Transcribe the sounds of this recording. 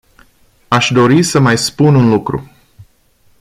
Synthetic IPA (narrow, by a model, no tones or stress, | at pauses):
aʃd̪o̞ɾisəmajspununlukɾṵ